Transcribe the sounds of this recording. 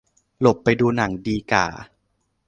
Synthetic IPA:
lo˨˩pːa˧jduː˧na˩˦ŋdiː˧ka̰ː˨˩

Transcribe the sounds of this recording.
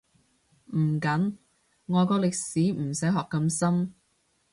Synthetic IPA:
m̩˨˩kɐ˨˥n | ŋɔː˨˧jkɔː˧lɪ˨k̚siː˨˥m̩˨˩sɐ˨˥jɦɔː˨kːɐ˧msɐ˥m

